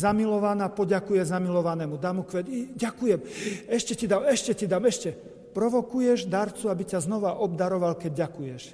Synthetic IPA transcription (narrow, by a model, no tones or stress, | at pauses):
zamilɔʋanapɔɟakujɛzamilɔʋanɛmud̪amukʋɛd̪ɟakujɛmɛʃcɛcid̪aːmɛʃcɛcid̪aːmɛʃcɛ | pɾɔʋɔkujɛʒd̪aɾt͡suabicaznɔʋaʔɔbd̪aɾɔʋalkɛɟɟakujɛʃ